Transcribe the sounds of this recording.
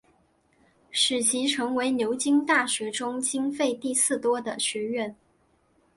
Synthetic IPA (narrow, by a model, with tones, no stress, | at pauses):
ʂɻ̩˨˩ɕʰi˧˥ʈ͡ʂʰɤ˧˥ŋwe˧˥ɪnjo˧˥ʊt͡ɕi˥ŋt̪a˥˩ɕɥɛ˧˥ʈ͡ʂʊ˥ŋt͡ɕi˥ŋfe˥˧ɪt̪i˥˧sɹ̩˥˩t̪wɔ˥d̪ə˨ɕɥɛ˧˥ɥɛ˥˩n